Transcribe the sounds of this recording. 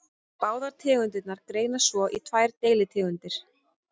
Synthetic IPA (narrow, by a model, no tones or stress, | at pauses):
paːwðaɾ̥t̪ʰɪːɣʏnt̪ɪt̪naɾkɾeːjnasvɔʔit̪ʰvajɾt̪eːjlɪt̪ʰɛːɣʏnt̪ɪɾ̥